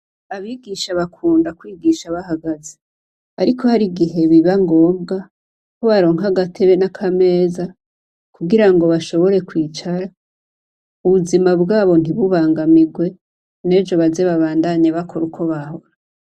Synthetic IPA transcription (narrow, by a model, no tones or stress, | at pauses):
aβiɡiʃaβakʰuːndakwiːɡiʃaβahaɡaze | aɾikʰo̞haɾiɡiɦe̞βiβaŋɡo̞ːmɡa | koβaɾo̞ːŋhaɡatʰeβe̞nakʰame̞ːza | kuɡiɾaŋɡo̞βaʃo̞βo̞ɾe̞kwiːt͡ʃaɾa | uβuzimabɡaːβo̞n̥iβuβaːŋɡamiɡwe̞ | ne̞ːd͡ʒo̞βaze̞βaβaːndaɲeβakʰo̞ɾukʰo̞βaho̞ɾa